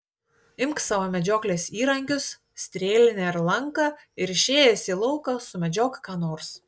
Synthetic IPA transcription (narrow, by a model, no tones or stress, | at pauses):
ɪmksɑːʋoːmʲɛd͡ʒʲoːklʲeːsiːɾɐŋʲkʲʊs | sʲt̪ʲɾʲeːlʲɪnʲɛɪɾlˠɐŋkɑ | ɪɾɪʃʲeːjɛsʲiːlˠɐʊkɐsʊmʲɛd͡ʒʲoːkkɑːnoːɾs